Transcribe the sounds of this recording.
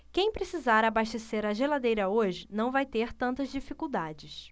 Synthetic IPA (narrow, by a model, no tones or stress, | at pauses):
kẽj̃pɾesizaɾabaʃt̪eseɾɐʒelad̪ejɾɐoʒɪnɐ̃w̃vajt̪eɾt̪ɐ̃nt̪ɐzd͡ʒifikuwd̪ad͡ʒɪs